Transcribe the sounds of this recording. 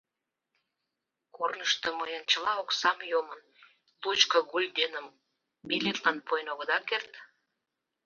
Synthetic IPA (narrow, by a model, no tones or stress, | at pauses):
kornəʃt̪əməjənt͡ɕəlɑoksɑmjomən | lut͡ɕkə̆ɣulʲd̪enəm | milet̪lɑnpojnoɣəd̪ɑkert̪